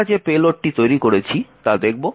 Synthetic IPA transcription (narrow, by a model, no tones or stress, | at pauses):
ad͡ʑepeloʈ̚ʈit̪ojɾikoɾet͡ɕʰit̪ad̪ek̚ʰbo